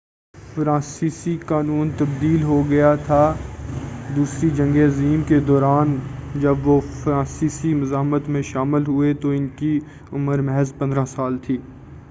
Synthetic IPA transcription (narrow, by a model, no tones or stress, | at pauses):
fɾãːsiːsikaːnuːnt̪ɐb̚d̪iːlɦoɡɐjat̪ʰa | d̪uːsɾid͡ʒɐ̃ŋɡeɐziːmked̪ɔːɾaːnd͡ʒɐbʋofɾãːsiːsimʊzaːɦmət̪mẽʃaːmɪlɦʊet̪oɪnki | ʊməɾmɛɦɛzpɐ̃nd̪ɾãsaːlt̪ʰiː